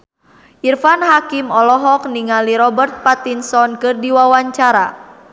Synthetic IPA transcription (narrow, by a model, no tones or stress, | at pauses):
ʔirfanɦakimɔlɔɦɔk̚niŋaliɾɔbərt̪̚pat̪insɔnkɨrdiwawaɲt͡ʃaɾa